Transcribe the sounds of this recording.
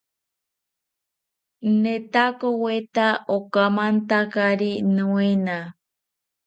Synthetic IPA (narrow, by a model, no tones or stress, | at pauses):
nẽt̪akowet̪aʔokamãnt̪akaɾinũẽnã